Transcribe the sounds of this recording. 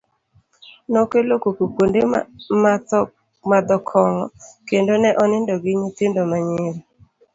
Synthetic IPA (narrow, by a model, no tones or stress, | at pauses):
nokelokokukondema | mad̪ɔkʰɔŋɔ̰kendonɛʔɔnɪndɔɡɪɲit̪ɪndɔmaɲɪɾi